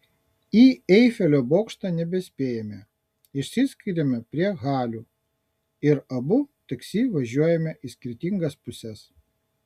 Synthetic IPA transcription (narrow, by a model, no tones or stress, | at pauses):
iːɛɪfʲɛlʲoːboːkʃt̪ɐˑnʲɛbʲɛsʲpʲeːjɛmʲɛ | ɪʃʲsʲɪsʲkʲɪɾʲemʲɛpʲɾʲiɛɣɑːlʲuː | ɪɾɐbʊt̪ɐksʲiːʋɐʒʲuɔjɛmʲɛʔɪsʲkʲɪɾʲt̪ʲɪŋɡɐspʊsʲɛs